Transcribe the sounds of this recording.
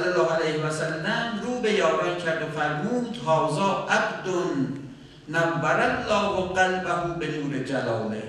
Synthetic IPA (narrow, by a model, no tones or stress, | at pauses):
lːalːɑːalejhevæsælːæmɾuːbejɒːɾincʰæɾd̪ofæɾmuːd̪̥hɒːzɒːʔæbd̪onː | ambæɾalːɒːwoqalbæɦuːbenuːɾed͡ʒælɒːme